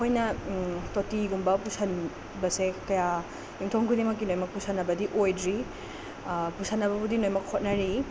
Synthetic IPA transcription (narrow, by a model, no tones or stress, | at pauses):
hojnɐtotiɡumbɐpusan | bɐsekɐja | juŋtʰoŋkʰudimɐkːinojmɐk̚pusanːɐbɐdiʔojdɾi | pusanːɐbɐbudinojmɐkhot̚nɐɾi